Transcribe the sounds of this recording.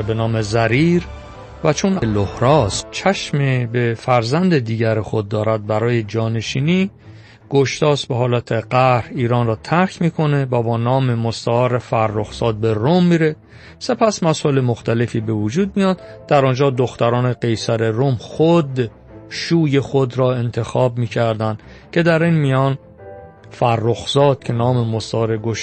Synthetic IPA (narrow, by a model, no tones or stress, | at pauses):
benɒːmezæɾiːɾ | væt͡ʃʰonlohɾɒːst͡ʃʰæʃmebefæɾzænd̪ed̪iːɟæɾexod̪̚ːɒːɾæd̪̚bæɾɒːje̞d͡ʒɒːne̞ʃiːniː | ɡ̥oʃt̪ɒːst̪beɦɒːlæt̪ʰeɢæɾhiːɾɒːnrɒːt̪ʰæɾcʰmiːkʰo̞ne̞væbɒːnɒːme̞most̪æɒːɾefæɾːoxsɒːd̪̚be̞romːiːɾe̞ | se̞pʰæsmæsɒːele̞moxt̪æle̞fiːbe̞vud͡ʒuːd̪̚mijɒːd̪d̪̥æɾɒːnd͡ʒɒːd̪oxt̪æɾɒːne̞ɡe̞jsæɾe̞ɾomxod̪ | ʃuːje̞xod̪ɾɒːe̞nt̪ʰe̞xɒːbmiːcʰæɾd̪ænd̪̥cʰe̞d̪æɾinmijɒːn | færːoxz̥ɒːd̪̥̚cʰe̞nɒːmemost̪ɒɾe̞ɡoʃ